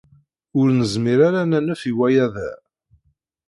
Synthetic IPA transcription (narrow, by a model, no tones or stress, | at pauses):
ʊɾnəzmiɾaɾanænæfiwæjæðæ̰